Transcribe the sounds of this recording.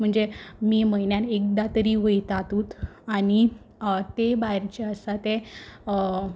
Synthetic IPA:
m̤əɳd͡zemiːməjnjanek̚d̪at̪əɾiʋəjt̪at̪ut̪añi | t̪ebajɾt͡ɕeəsat̪e

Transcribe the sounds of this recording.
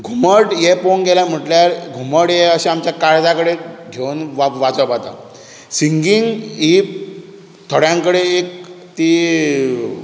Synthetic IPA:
ɡʱuməʈjeponɡelam̤əʈljaɾɡʱuməʈjeəɕẽamt͡ɕjakaɾd͡zakəɽeɡʱeunʋaʋad͡zəpat̪a̰ | siŋɡiŋɡip̚ | t̪ʰəɽjãŋkəɽeːk̚ | t̪iː

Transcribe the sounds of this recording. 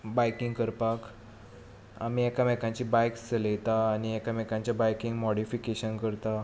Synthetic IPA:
bajkĩŋɡkəɾpak | a̰miekamekãɲt͡ɕibajkt͡səlet̪aːñiekamɛkãɲt͡ɕjabajkĩŋɡmɔɽifikeɕənkəɾt̪a

